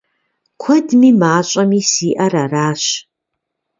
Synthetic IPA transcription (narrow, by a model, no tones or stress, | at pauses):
kʷʰɐdmimaːt͡ʃʷʼamisiːʔɐraraːʃ